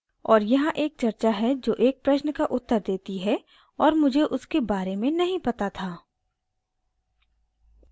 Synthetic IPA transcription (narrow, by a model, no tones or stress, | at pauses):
ɔːɾjɐɦãʔeːk̚t͡ʃɐɾt͡ʃaɦɛd͡ʒoːʔeːk̚pɾɐʃnəkaʔʊt̪ːəɾd̪eːt̪iɦɛ | ɔːɾmʊd͡ʒʱeʔʊskebaːɾemẽnɐɦĩpɐt̪at̪ʰaː